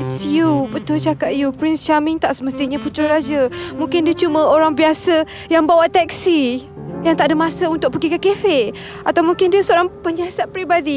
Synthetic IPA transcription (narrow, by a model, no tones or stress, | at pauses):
sjupət̪ot͡ʃakat̪̚jupɾɪnst͡ʃamiŋt̪aʔsəməst̪iɲãput̪ɾaɾad͡ʒəmũŋkɪndiət͡ʃumə̃oɾaŋbiasə | jaŋbawaʔt̪ɛk̚si | jaŋt̪aʔdəmãsəunt̪ʊk̚pəɡikəkefeʔ | at̪awmũŋkɪndiəsəoɾaŋpəɲasat̪̚pɾibadi